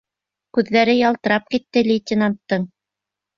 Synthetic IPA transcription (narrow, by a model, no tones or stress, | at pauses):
kʉðːæɾɘjɑlˠt̪ɤ̆ɾɑp̚kit̪ːɘlʲɪtʲɪnant̪ːɤɴ